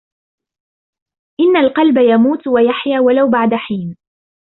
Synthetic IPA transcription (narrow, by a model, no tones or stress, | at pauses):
ʔɪnːalqɑlbajamuːt̪wajaħjaːwalawbaʕd̪aħiːn